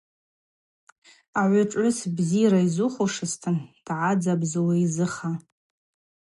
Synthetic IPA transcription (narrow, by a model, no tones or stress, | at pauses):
aʕʷʊʈ͡ʂʼʕʊsbzijɾaizuχʊʂɨstʰɨnd̥ʕad͡zabzɨwaizɨχa